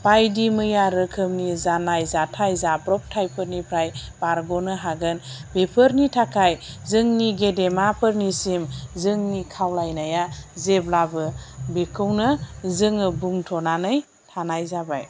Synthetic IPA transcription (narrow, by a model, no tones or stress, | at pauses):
pajdimɯjaɾɯkʰɯmnizanajzatʰajzapɾɔp̚tʰajpʰɯɾnipʰɾajb̥aɾɡɔnɯɦaɡɯnbepʰɯɾnitʰakʰajzɯŋniɡedemapʰɯɾnisimzɯŋnikʰawlajnajazeblabɯbekʰɯwnɯzɯŋɯbuŋtʰɔnanɯj | tʰanajzabaj